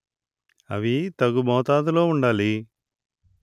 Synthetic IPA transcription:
ɐ̰ʋit̪ɐɡumɔːt̪aːd̪ulo̞ːuɳɖaːli

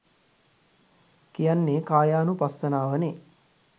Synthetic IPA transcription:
kijanːekaːjaːnupasːənaːʋəne

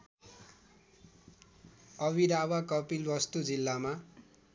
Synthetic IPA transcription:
ʌwiɾawakʌpilbʌst̪ud͡zilːama

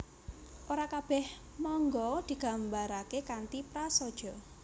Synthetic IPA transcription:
ʔoɾakab̥ɛh | mɔŋɡɔd̪̥i̤ɡ̥ä̤mbaɾakekant̪ipɾasɔd̥ʒ̥ɔ̤

